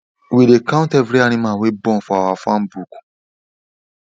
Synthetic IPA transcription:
wilekãʊ̃ntɛvɾianĩmawebɔ̃fɔawafãmbuk

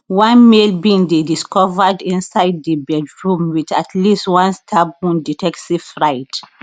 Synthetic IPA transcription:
wãnmelbĩŋdediskɔvədĩnsaɪddəbɛdɹũmwit͡ʃatʰlistwãnstʰab̚ũnditʰɛksivfɹaɪt

